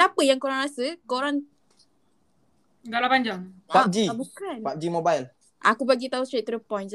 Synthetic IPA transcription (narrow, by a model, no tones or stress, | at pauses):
apəjaŋkoɾanɾasəkoɾaŋ | ɡalapaɲd͡ʒaŋad͡ʒiabukanpap̚d͡ʒimobajl | ʔa̰kubaɡit̪aust̪ɾet̪̚t̪ːɾəpɔjn